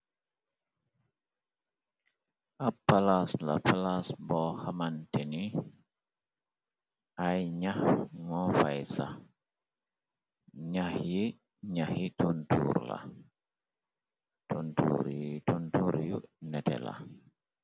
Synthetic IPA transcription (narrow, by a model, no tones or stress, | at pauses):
ʔapːalasla̰palasbɔhamanteni | ʔajɲahŋɔfajsa | ɲahji | ɲahitʰuntṵːɾla̰ | tuntṵːɾituntuɾjunɛtɛ̰la̰